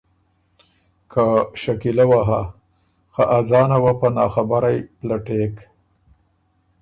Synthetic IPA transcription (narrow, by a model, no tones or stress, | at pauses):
kʰaʃakilawaɦa | xaʔazɑːnawapanɑːxabaɾajplaʈek